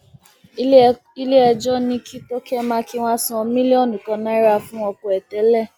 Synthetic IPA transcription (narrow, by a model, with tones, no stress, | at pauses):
i˦le˦ɛ˧d͡ʒɔ˦nĩ˧kʰi˦to˦kɛ˦mã˧ki˦w̃ã˦sũ˦ɔ˧mĩ˦li˦ɔ˦˨nũ˨kɔ̃˧nã˦i˦ɾa˧fũ˦ɔ˧kɔ˨ɛ˨tɛ˨˦lɛ˦˨